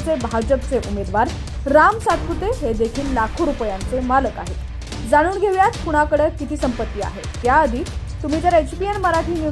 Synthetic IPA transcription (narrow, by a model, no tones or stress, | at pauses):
t͡sebʱad͡ʑəp̚t͡seʔumed̪ʋaɾ | ɾamsat̪̚kɾut̪eɦed̪ekʰiːlːakʰoɾupjãnt͡semaləkaɦe | d͡zaɽ̃uːnɡʱeʋjat͡s̪puɽ̃akəɽəkit̪iːsəmpət̪ːiːa̰ɦḛt̪jaəd̪ʱiː | t̪um̤iːt̪əɾet͡ɕbienməɾaʈʰiːnju